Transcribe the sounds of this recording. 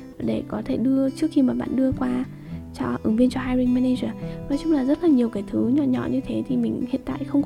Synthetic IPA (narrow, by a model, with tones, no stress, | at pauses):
ɗe˧˩kɔ˨˦t̪ʰe˧˩ɗɨ˧ət͡ɕɨ˦˥ək̚xi˧maː˨˩ɓa̰ː˧˨nɗɨ˧əkwaː˧ | t͡ɕɔ˧ʔɨ̰˨˦ŋvi˧ənt͡ɕɔ˧ɦaː˧jɾi˧ŋmɛ˧ne˧zəː˨˩nɔ˨˦jt͡ɕʊ˨˦ŋ͡mlaː˨˩zə˦˥t̚laː˨˩ɲi˨˩əwkaː˨˦jt̪ʰɨ˨˦ɲɔ̰˧˨ɲɔ̰˧˨ɲɨ˧t̪ʰe˨˦t̪ʰi˨˩mï˨˩ŋ̟hḭ˧˨ənt̪a̰ː˧˨jxə˧wŋ͡mk